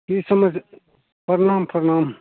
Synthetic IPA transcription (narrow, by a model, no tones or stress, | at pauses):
kiːsɐmɐd͡z | pɐɾɐnaːmpʰɐɾnaːm